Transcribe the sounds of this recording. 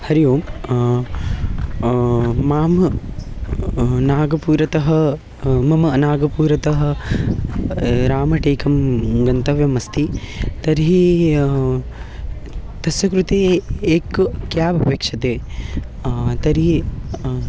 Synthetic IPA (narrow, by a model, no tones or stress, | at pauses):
hɐɾijoːm | maːmɐ | naːɡɐpuːɾɐt̪ɐɦɐ̆ | mɐmɐnaːɡɐpuːɾɐt̪ɐɦɐ̆ | ɾaːmɐʈeːkɐmɡɐnt̪ɐʋjɐmɐst̪ʰi | t̪ɐɾɦi | t̪ɐsʋɐkɾut̪eːeːkkjaːbɐpeːkʂɐt̪eː | t̪ɐɾɦi